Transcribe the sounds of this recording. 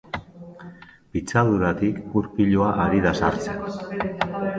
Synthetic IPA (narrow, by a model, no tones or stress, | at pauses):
pit͡saðuɾat̪ikuɾpiʎoaʔaɾiðasaɾt͡sen